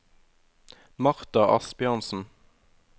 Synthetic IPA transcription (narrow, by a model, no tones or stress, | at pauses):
mɑʁt̪ɑʔɑ̰sbɪɑnsn̩